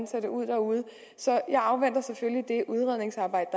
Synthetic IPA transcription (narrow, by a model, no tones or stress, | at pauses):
nsʰæd̥əuð̞̰ˠd̥æːuð̞ˠ | sɒ̽jɑ̈ɪɑ̈ʊʋen̰d̥ɐseføljid̥e̝ʔuð̞ˠʁɛð̰ˠne̝ŋsɑ̈ːb̥ɑ̈ɪ̰d̥d̥